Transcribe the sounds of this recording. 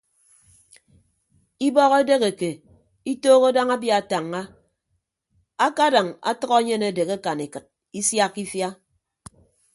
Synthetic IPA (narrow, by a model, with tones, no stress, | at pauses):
i˦bɔ˦ɣe˦de˦ɣe˨ke˨ | i˦toː˦ɣo˦da˦ŋa˦bja˨ta˨ŋːa˦ | a˦ka˦da˨ŋa̰˦tʌ˦ɣɔ˦ɲe˦ne˨de˨ɣe˦ka˨ni˨kɨ˨t̚ | i˦sja˦kːi˦fja˦